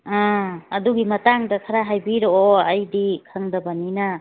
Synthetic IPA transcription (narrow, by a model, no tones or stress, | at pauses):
ãɐduɡimɐtaŋdɐkʰaɾaɦajbiɾoɐjdikʰaŋdɐbanina